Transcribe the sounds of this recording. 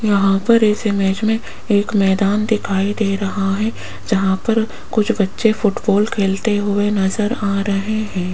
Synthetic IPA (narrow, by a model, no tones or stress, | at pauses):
jɐɦãpɐɾɪsemeːd͡ʒmẽ | eːkmɛːd̪aːnd̪ɪkʰaːid̪eːɾɐɦaɦɛ̃ | d͡ʒɐɦãpɐɾ | kʊt͡ʃʰbɐtːʃefʊʈbɔːlkʰeːlt̪eɦʊenɐzəɾaːɾɐɦeɦɛ̃ː